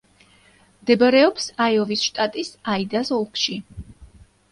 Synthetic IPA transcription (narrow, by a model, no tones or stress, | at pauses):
md̪ɛbaɾɛɔpsajɔvisʃt̪ʼat̪ʼisaid̪asɔlˠkʰʼʃi